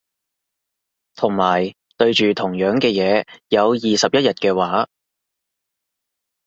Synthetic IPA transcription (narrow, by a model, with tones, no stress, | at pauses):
t̪ʰʊ˨˩ŋmaː˨˩j | t̪ɵ˧ɥt͡ʃyː˨t̪ʰʊ˨˩ŋjœː˨˥ŋkɛː˧jɛː˨˧jɐ˨˧wjiː˨sɐ˨p̚jɐ˥t̚jɐ˨t̚kɛː˧waː˨˥